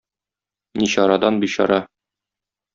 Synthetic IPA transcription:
niɕɒɾɑd̪ɑnbiɕɒ̰ɾɑ

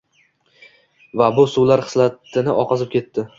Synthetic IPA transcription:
vabʊsuwlaɾχɨ̥slat̪ːɪnɪʔɒqɑzɪp̚kʲʰe̞t̪ːɪ

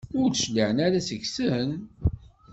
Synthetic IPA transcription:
ʊɾʃliʕənæɾæsəçsəɦən

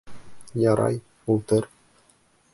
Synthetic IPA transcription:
jɑɾʔɑ̰j | ulˠt̪ɤr

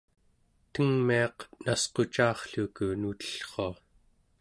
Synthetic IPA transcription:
t̪əŋmiɑqnasqo̞t͡ʃaːχɬukunut̪ə̥ɬχo̞a

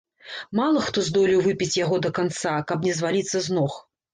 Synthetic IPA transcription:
malˠɐxt̪ɔzd̪ɔlʲiwvɨpʲit͡sʲjaɣɔd̪ɐkant̪sakɐbnʲɛzvalʲit̪sːɐznɔx

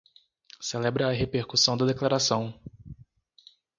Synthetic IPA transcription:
selɛbɾɐːɦepeɾkusɐ̃w̃d̪ɐd̪eklaɾasɐ̃w̃

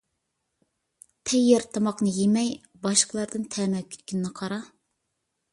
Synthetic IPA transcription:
t̪ʰɛjːɪɾt̪ʰɑmɑqnɨjemɛj | bɑʃqʰəlˠɑɾd̪ɨnt̪ʰɛmɛkʲʰy̥t̪̚kʲʰynnɨqʰɑɾɑ

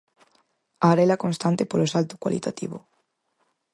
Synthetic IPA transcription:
aːɾɛlakonst̪ant̪epolosalt̪ʊ̥kwa̰lʔḭt̪at̪ḭβo̰

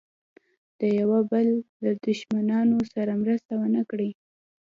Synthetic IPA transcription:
d̪̥əjawabəlː | ad̪ʊʃmanɑnosaɾamɾəst̪awənakɽi

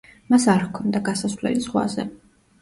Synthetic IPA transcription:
masaɾkʰɔnd̪aɡasasvlɛ̰lisχwa̰zɛ̰

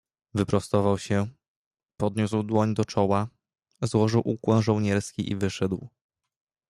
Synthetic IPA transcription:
vɘpɾɔst̪ɔvawɕɛ | pɔd̪ɲuswd̪wɔɲd̪ɔt͡ʂɔwa | zwɔʐɘwʔukwɛ̃wʐɔwɲɛɾskʲiʔḭvɘʂɛd̪w

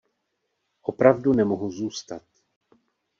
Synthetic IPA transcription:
ʔo̞pɾavdunɛmoɦuzuːst̪at̪

